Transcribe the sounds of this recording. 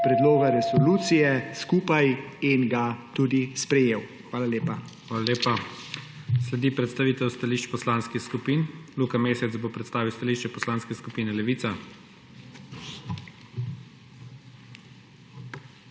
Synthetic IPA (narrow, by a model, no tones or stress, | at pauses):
pɾɛd̪loːɡaɾɛsɔluːt̪sijɛskuːpajinɡat̪uːd̪ispɾɛjeːwxʋaːlaleːpa | xʋaːlaleːpa | slɛd̪iːpɾɛt̪st̪aʋiːt̪ɛwst̪aliːʃt͡ʃpɔslaːnskixskupiːnlukameːsɛt̪zbopɾɛt̪st̪aːʋiwst̪aliːʃt͡ʃɛpɔslaːnskɛskupiːnɛlɛʋiːt̪sa